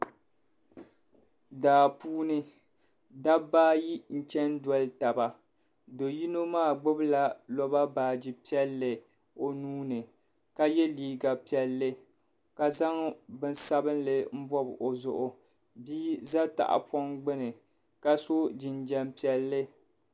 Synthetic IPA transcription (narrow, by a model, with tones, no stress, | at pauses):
daː˨puː˦nɨ˦ | da˦baː˦ji˦n̩˦t͡ʃɛ˦n˦dɔ˦lɨ˦ta˨ba˨ | do˨ji˦no˦maː˦˨ɡ͡bʊ˦bla˦lɔ˦ba˦baː˨d͡ʒi˦pi˦ɛ˦lːɨ˨ | o˨nuː˦nɨ˨ | ka˦jɛ˦liː˦ɡa˨pi˨ɛ˨lːɨ˦ | ka˨za˦ŋbɨ˦n˦sa˦bɨ˦nlɨ˨m̩˦bɔ˦bʔo˨zʊ̰˨ʔʊ˨ | biː˦za˦ta̰˨ʔa̰˨pɔ˦ŋɡ͡bɨ˦nɨ˨ | ka˦so˦d͡ʒɪ˨nd͡ʒɛ˦mpi˦ɛ˨lːɨ˦